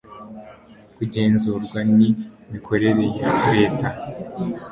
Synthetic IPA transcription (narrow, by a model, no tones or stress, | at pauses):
kuɟe̞ːnzuːɾɡwani | mikʰo̞ɾe̞ɾe̞jaɾe̞ːta